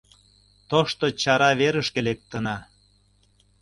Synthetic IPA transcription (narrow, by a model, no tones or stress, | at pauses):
t̪oʃt̪ot͡ɕɑɾɑβeɾəʃkelek̚t̪ənɑ